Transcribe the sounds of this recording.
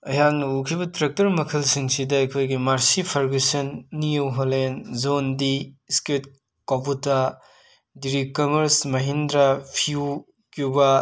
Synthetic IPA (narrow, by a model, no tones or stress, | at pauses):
ɐjaŋnɐukʰibɐtɾɐk̚tɐɾmɐkʰɐlsiŋsidɐɐkʰojɡimaɾsipʰɐɾɡisɐnːijowɦolenzondisket | koputɐ | diɾikɐmɐɾsmɐɦindɾɐpʰiu | kjubɐ